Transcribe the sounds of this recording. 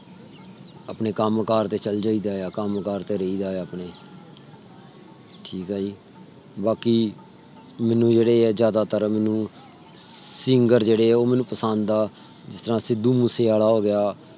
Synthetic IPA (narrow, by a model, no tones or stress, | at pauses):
apneːkəmkaːɾt̪eːt͡ʃəld͡ʒaːiːd̪aːaːkəmkaːɾt̪eːɾəiːd̪aːəpneː | ʈʰiːkɦaːd͡ʒiː | baːkiː | mɛ̃ːnũːd͡ʒeːɽeːzjaːd̪aːt̪əɾmɛːnũː | sɪŋɡəɾd͡ʒeːɽeːɛːoːmɛːnũːpəsənd̪d̪aː | d͡ʒɪst̪əɾãːsɪd̪uːmũːseːaːɽaːɦoːɡɪjaː